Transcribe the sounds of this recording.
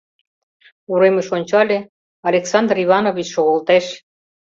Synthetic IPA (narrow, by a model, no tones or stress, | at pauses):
uɾeməʃonʲt͡ɕɑlʲe | ɑlʲeksɑnd̪riβɑnoβʲit͡ɕʃoɣolt̪eʃ